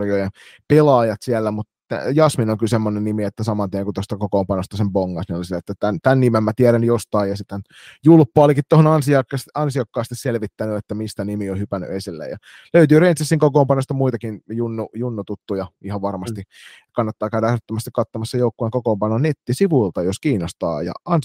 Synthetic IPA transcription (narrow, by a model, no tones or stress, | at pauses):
rjojɑ | pelɑːjɑt̪siælːæmut̪t̪æ̰jɑsminoŋkylsemːonennimiet̪ːæsɑmɑnt̪iæŋkut̪ost̪ɑkokoːmpɑnost̪ɑsempoŋːɑsninolisiet̪ːæt̪ænt̪ænːimemmæt̪iæɾænjost̪ɑijjɑsit̪ːæn | julpːoɑlikit̪t̪ohonɑnsiɑkːɑsɑnsiɑkːɑːst̪isselʋit̪ːænyet̪ːæmist̪ænimiohypæny̰ʔesilːḛjɑ̰ | løyt̪yːrent̪sisːiŋkokoːmpɑnost̪ɑmuit̪ɑkinjunːujunːut̪ut̪ːujɑihɑʋʋɑrmɑst̪i | kɑnːɑt̪ːɑːkæyɾɑɑret̪ːømæst̪i̥kɑt̪ːomɑsːejoukːojeŋkokoːmpɑnonet̪ːisiʋuilt̪ɑjoskiːnost̪ɑ̰ːjɑ̰ɑn